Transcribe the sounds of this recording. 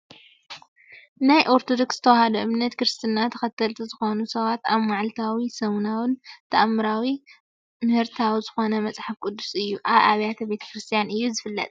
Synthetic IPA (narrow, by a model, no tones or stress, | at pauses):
najʔo̞ɾt̪ʰod̪o̞ksz̥ɨt̪ʰɐwahad̪ɐʔɨmnɐt̪kɾɨst̪ʰɨnat̪ʰɐxɐt̪ʰːɐlt̪ʰizɨxo̞nusɐβat̪aβmaʕlt̪ʰawisɐwnawɨnt̪ʰɐʔamːɨɾawi | mɨhɨɾt̪ʰawizɨxo̞nɐmɐt͡sʼħafkʼʊd̪ːu̥sɨjːuʔaβaβjat̪ʰɐbe̞t̪ʰɐ̥kɾɨst̪ʰijanɨjːuzɨfɨlːɐ̰t̪ʼ